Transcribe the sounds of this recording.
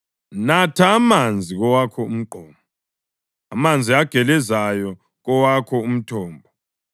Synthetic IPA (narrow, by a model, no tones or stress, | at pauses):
natʰaːmand͡zʱiɣɔwakʰɔum̩ǃʱɔːmbʱɔ | amand͡zʱiaɡ̥ʱɛlɛzajɔ | ɣɔwakʰɔum̩tʰɔːmbʱɔ